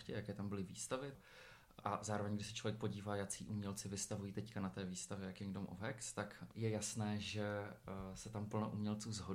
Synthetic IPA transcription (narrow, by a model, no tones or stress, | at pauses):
cɛjakɛːt̪ambɪlɪvḭːst̪avɪ | ʔazaːɾovɛɲɡdɪʃsɛ̥t͡ʃlo̞vjɛkpo̞ɟiːvaːjat͡sḭːʔumɲɛlt͡sɪvɪst̪avujiːt̪ɛckanat̪ɛːviːst̪avjɛjakimdomʔoɦɛkst̪akjɛjasnɛːʒɛsɛt̪ampl̩noʔumɲɛlt͡suːzɦo